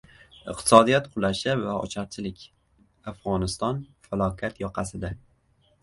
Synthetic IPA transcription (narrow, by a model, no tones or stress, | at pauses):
ɪqt̪ʰɪ̥sɒd̪ijat̪qʰʊlˠaʃavaɒ̰t͡ʃʰaɾt͡ʃʰɪlɪkʲ | afʁɒnɪst̪ɒnfalˠɒkʲʰat̪jɒqʰɑsɪd̪a